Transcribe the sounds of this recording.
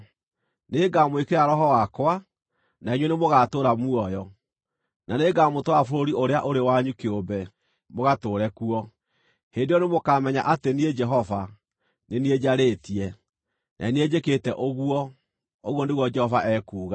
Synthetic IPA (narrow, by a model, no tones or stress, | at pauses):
neːɡamwekeɾaɾɔɦɔwakwa | naiɲwɛnemoɣatoɾamuɔjɔ | naneɡamotwafoɾoɾioɾeaʔoɾewaɲukeobɛ | moɣatoːɾɛkuɔ | hendejɔnemokamɛɲa̰ʔatenied͡ʒɛɦɔva | nenied͡ʒaɾeːtiɛ | nʔa̰inied͡ʒeketɛʔoɣuɔ | oɣwɔneɣwɔd͡ʒɛhɔvaʔɛːkuːɣa